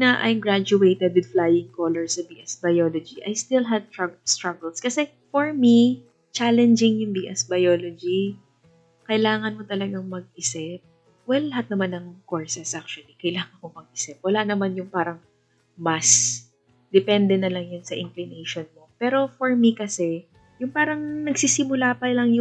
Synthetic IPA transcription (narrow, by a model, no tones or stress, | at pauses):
nɐʔɐ̰jmɡɹad͡ʒʊejt̪ɛd̪̚wɪd̪flajɪŋkoːlɛɹsɐbiʔɛsbɐjoːlod͡ʒiʔɐjst̪ɪlɦɐd̪̚t̪st̪ɹɐɡɛlskɐsɛ | foɹmi | t͡ʃalɛnd͡ʒɪŋjʊŋbiʔɛsbɐjoːlod͡ʒi | kɐʔɪlaːŋɐnmot̪ɐlɐɡaŋmɐɡ̚ɪsɛp̚ | wɛlːɐɦat̪̚nɐmanːɐŋkoɹsɛsʔak̚t͡ʃʊwɐlikɐjlaːŋɐnkomɐɡ̚ʔɪsɛp̚wɐlanɐmanjʊŋpaːɾɐŋ | mɐs | d̪ɛpɛnd̪ɛnɐlɐŋjʊnsɐʔɪŋklɪnejʃonmo̞pɛːɾo̞foɹmikɐsɛ | jʊŋpaːɾɐŋnɐɡsisɪmʊlaːpɐlɐŋjʊ